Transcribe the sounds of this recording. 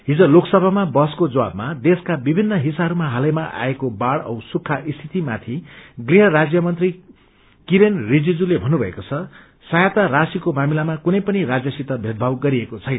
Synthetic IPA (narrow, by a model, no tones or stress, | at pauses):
ɦid͡zoloksʌbʱamabʌskod͡zʌwa̰b̚mad̪eskabibʱinːʌɦisaɦʌɾumaɦalʌjmaʔa̰ekobaɽʌ̰wsukʰːaʔist̪ʰit̪imat̪ʰiɡriɦʌɾad͡zjʌmʌnt̪ri | kiɾenrid͡zid͡zulebʱʌnːubʱʌekot͡sʰʌ | sʌjat̪arasikomamilamakunʌjpʌniɾad͡zjʌsit̪ʌbʱed̪̚bʱawɡʌɾiekot͡sʰʌjnʌ